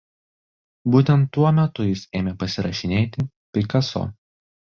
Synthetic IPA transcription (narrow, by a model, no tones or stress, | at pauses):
buːt̪ʲɛnt̪ːuɔmʲɛt̪ʊjɪseːmʲeːpɐsʲɪɾɐʃʲɪnʲeːt̪ʲɪ | pʲɾʲɪkɐso̰ː